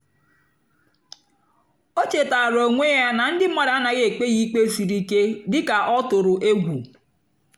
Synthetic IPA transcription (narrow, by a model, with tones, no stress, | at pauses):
o˦t͡ʃe˨ta˨ɾo˨ŋʷe˦ja˦na˨n̩˦dɪ˦a˦˨ɾa˦na˨ɣe˦˨e˨k͡pe˦ɣi˦k͡pe˦fi˨ɾi˦ke˦dɪ˦ka˨ʔɔ˦tʊ˨ɾʊ˨ʔe˦ɡʷu˨